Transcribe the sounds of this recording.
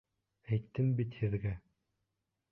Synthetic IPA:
æjt̪ːɘmbit̪hɘ̆ðɡæ

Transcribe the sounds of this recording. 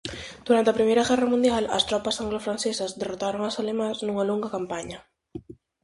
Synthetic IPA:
d̪̥uɾant̪ɐpɾimeɾaɣɛrɐmũnd̪jalɐ̰st̪ɾɔpasaŋɡlofɾansesazd̪erot̪aɾoŋasalemaznuŋaluŋɡakampaɲɐ

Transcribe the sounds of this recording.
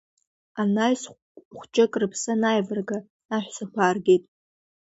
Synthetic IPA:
anajs | χʷt͡ʃʼɪkʼrɨpʰsanajvɨrɡa | aħᶣʷsɨχʷʰaːrɡʲetʼ

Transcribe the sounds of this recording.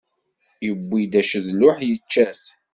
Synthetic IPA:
jəbːid̪æʃəðlʊħjət͡ʃːæs

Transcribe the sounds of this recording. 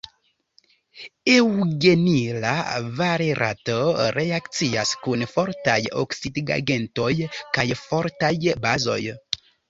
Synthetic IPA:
ewɡe̞nila̰vaɾeɾʔa̰toɾe̞akt͡siaskunfo̞ɾtajo̰ksidɡa̰ɡe̞nto̞jkajfo̞ɾtajbazo̞̰j

